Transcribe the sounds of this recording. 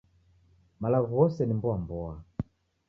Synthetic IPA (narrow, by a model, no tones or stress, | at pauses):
malaɣuɣɔsɛnimbɔambɔa